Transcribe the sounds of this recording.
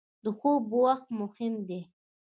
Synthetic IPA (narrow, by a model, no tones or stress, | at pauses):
d̪əxobəwaxt̪mʊhɪmd̪e